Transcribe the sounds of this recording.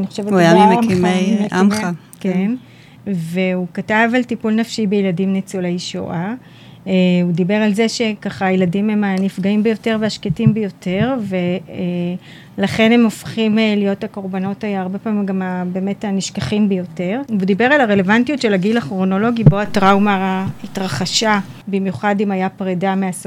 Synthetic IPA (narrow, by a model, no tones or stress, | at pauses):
niχoʃevetjaimemimemeama | ken | ve̞ukatavaltipulnafʃibejeladimnet͡suleiʃo̰ʔa | udibe̞ʁalze̞ʃe̞kaχajeladimhemanifɡaimbejo̞te̞ʁveaʃketimbejo̞te̞ʁve̞ | laχe̞nhe̞mo̞fχimlijo̞thako̞ʁbano̞tajaaʁbe̞pamimɡamabe̞ːme̞taniʃkaχimbejo̞te̞ʁveudibe̞ʁalaʁe̞le̞vantijutʃe̞laɡilaχʁono̞lo̞ɡibo̞atʁawmaːhitʁaχaʃabimjuχadimajapʁedameas